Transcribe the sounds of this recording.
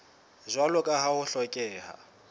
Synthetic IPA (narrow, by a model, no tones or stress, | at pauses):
zʷwalʊkʼaɦahʊɬɔkʼɛːɦa̰